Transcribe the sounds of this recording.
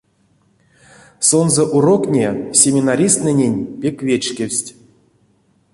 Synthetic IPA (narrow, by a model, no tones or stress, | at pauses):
so̞nzəʔuɾo̞knʲesʲemʲinaɾʲist̪nɨnʲenʲpʲekvʲet͡ʃkʲewʲsʲtʲ